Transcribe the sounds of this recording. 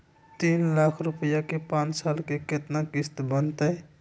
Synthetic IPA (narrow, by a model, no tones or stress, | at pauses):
t̪iːnlakʰɾʊpəjakepãːnt͡ʃsaːlkeket̪nakɪst̪bənt̪ɛ